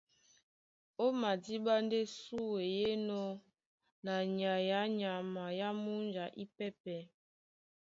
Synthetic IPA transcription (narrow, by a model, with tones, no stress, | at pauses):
o˦ma˨di˦ba˦nde˦su˦we˨je˦nɔ˦ | na˨ɲa˨ja˨˦ɲa˨ma˨ja˦mu˦nd͡ʒa˨ʔi˦pɛ˦pɛ˨